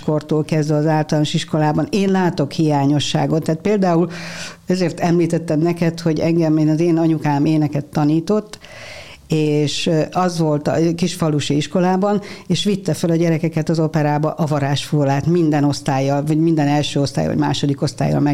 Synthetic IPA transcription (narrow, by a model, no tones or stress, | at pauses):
ko̞rt̪oːlkɛzd̪vɛɒzaːlt̪ɒlaːnoʃiʃko̞laːbɒneːnlaːt̪o̞khijaːɲo̞ʃːa̰ːɡo̞t̪ːaːt̪̚peːld̪aːulɛzeːrt̪ɛmliːt̪ɛt̪ːɛmnɛkɛt̪ho̞ɟɛŋɡɛmeːnɒzeːnɒɲukaːmeːnɛkɛt̪ːɒniːt̪o̞t̪ː | eːʃɒzʋo̞lt̪ɒkiʃfɒluʃiiʃko̞laːbɒneːʃʋit̪ːɛfølɒɟɛɾɛkɛkɛt̪ɒzo̞pɛɾaːbɒʔɒvɒɾaːʃfulaːt̪mind̪ɛno̞st̪aːjːɒlvɒɟmind̪ɛnɛlʃøːo̞st̪a̰ːj̰ɒ̰ɟma̰ːʃo̞d̪ikost̪a̰jːɒ̰lmɛ